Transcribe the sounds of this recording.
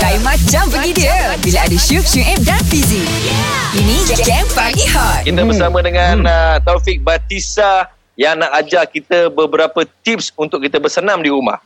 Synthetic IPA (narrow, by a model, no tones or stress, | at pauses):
dajimãt͡ʃampəɡidiə | bilaadəʃup̚ʃuʔɛp̚danfizi | inĩd͡ʒɡɛmpaɡihat̪kit̪əbəsamə̃dəŋãnət̪ɔfik̚bat̪isa | jaŋnaʔad͡ʒakit̪əbəbəɾapət̪ip̚sunt̪ʊkːit̪əbərsənãmdiɾuma̰h